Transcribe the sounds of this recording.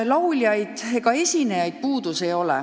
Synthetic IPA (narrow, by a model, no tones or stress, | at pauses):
lɑulʲjɑjd̪̥eɡɑe̞sʲine̞jɑjd̪̥̚puːd̪̥use̞jo̞lɛ̰